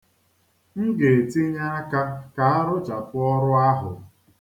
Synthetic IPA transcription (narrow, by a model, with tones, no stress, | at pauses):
ŋ̩˦ɡe˨e˨ti˦ɲa˦a˦ka˦ka˨a˦ɾʊ˦t͡ʃa˨pʊ˦ɔ˦ɾʊ˦a˦ɦʊ̰˨